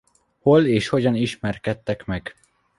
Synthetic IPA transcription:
ho̞leːʃho̞ɟɒniʃmɛrkɛt̪ːɛkmɛɡ̥

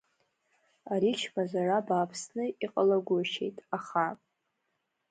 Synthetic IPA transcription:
aɾit͡ʃʰmazarabaːpʰsnɨiqʼalaɡʷʊʃe̞̰jtʼaχa

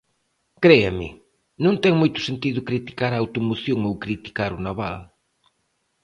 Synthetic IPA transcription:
kɾeɐmɪ̰ | nõnt̪ɛŋmojt̪ʊ̥sent̪iðʊkɾit̪i̥kaɾɐːwt̪umoθjoŋowkɾit̪i̥kaɾʊnaβa̰l

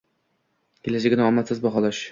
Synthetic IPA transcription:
kʲʰelad͡ʒɪɡʲɪnaɒmat̪sɪzbɒɦɒlˠɒʃ

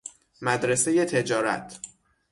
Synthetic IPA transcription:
mæd̪ɾese̞je̞t̪ʰe̞d͡ʒɒːɾæ̰t̪ʰ

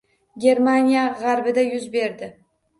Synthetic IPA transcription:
ɡʲe̞ɾmanijaʁaɾbɪd̪ajʊzbe̞ɾd̪ɪ

